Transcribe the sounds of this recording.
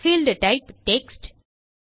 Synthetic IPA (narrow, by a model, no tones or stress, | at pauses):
fiːlɖəʈaɪpʈeksʈ